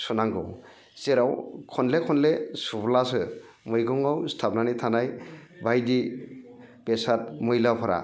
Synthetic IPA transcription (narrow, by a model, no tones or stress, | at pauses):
sɔnaŋɡɔ̰w | seɾawkʰɔnlekʰɔnlesublasɯ | mɔjɡɔŋawstʰapnanitʰanajbajdi | bɛsat̚mɯjlapʰɔɾa̰